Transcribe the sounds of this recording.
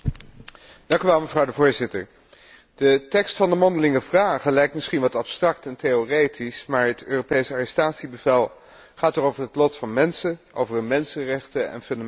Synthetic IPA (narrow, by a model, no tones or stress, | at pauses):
d̥ɑŋkyʋɛlˠməvrɑwdəvʊːɹzɪtə̰ɹ | d̥ətɛkstfɑndəmɔndəlɪŋəvraːχəlɛjktmɪsχinʋɑtɑpstrɑktɛnteorejtʰismaːɹɦətʰøːropejsarɛstaːtsibəvɛlˠ | χaːtərowvəɹɦətlɔtfɑnmɛnsəʔo̰wvərəmɛnsənrɛχtəɛ̰nfɵnda